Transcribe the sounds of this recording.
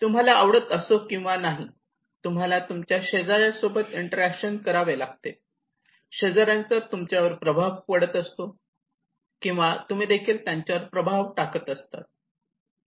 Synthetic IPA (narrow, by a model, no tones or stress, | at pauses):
t̪um̤alaːʋɽət̪əsokĩw̃ʋanaɦi | t̪um̤alat̪umt͡ɕjaɕed͡zaɾjasobət̪iɳʈəɾækɕənkəɾaʋelaɡ̚t̪e | ɕəd͡zaɾant͡sət̪umt͡ɕjaʋəɾpɾəbʱaʋpəɽət̪əst̪o | kĩw̃ʋat̪um̤iːd̪ekʰiːlt̪jaɲt͡ɕjaʋəɾpɾəbʱaʋʈakət̪əst̪a̰t̪̚